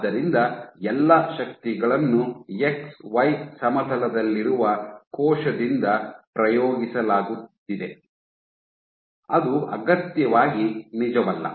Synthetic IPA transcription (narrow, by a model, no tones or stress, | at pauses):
d̪ɐɾind̪ɐɛlːɐʃɐk̚t̪iɡɐɭɐnːueksʋɐjsɐmɐt̪ʰɐlɐd̪ɐlːiɾuʋɐkɔːʃɐd̪ind̪ɐpɾɐjoːɡisɐlaːɡut̪ːid̪e̞ | ɐd̪uɐ̰ɡɐt̪jɐʋaːɡinid͡ʒɐʋɐlːɐ̰